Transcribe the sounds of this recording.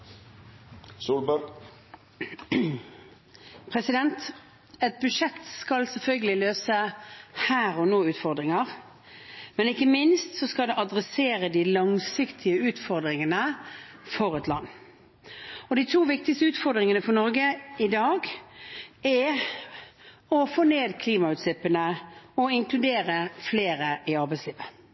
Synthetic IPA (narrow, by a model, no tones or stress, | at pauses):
suːlbɑ | pʰʁɛsɪd̪ɛnt̪ | ɛt̪̚bʉʂɛt̪skɑlsɛlfœlɡəlɪløːsəhæːʁɔnoːʉːt̪fɔʁd̪ʁɪŋɑʁ | mɛnɪkːəmɪnst̪sɔskɑld̪ɛʔɑd̪ʁɛseːʁəd̪ɪlɑŋsɪkt̪ʰɪəʉːt̪fɔʁd̪ʁɪŋənəfɔʁɛt̪lɑ̰nː | ɔd̪ɪt̪ʰuːʋɪk̚t̪ɪkst̪əʉːt̪fɔʁd̪ʁɪŋənəfɔʁnɔɾɡəɪd̪ɑːɡ | ɛ | ɔfoːneːd̪kʰliːmɑʉːt̪sɪpːənəɔɪŋkʰlʉd̪eːʁəfleːɾəʔɪɑʁbɛɪsliːʋə